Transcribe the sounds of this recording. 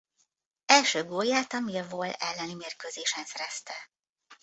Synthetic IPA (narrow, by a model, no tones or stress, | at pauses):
ɛlʃøːɡoːjːaːt̪ɒmiɒvoːlɛlːɛnimeːrkøːzeːʃɛnsɛɾɛst̪ɛ